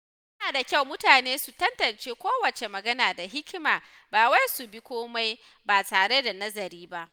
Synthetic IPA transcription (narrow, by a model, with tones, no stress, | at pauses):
jɐ˦naː˨da˨kʲa˦˨wmʊ˦taː˨neː˦su˨tɐ˦ntɐ˨nt͡ʃeː˦kʷoː˦wɐ˨t͡ʃe˨mɐ˨ɡɐ˦naː˨da˨ɦɪ˦kʲmaː˨ | baː˨wa˦jsu˨bi˦kʷoː˦ma˦j | baː˨taː˨ɽe˦da˨nɐ˦zɐ˨ɾiː˦ba˦ʔ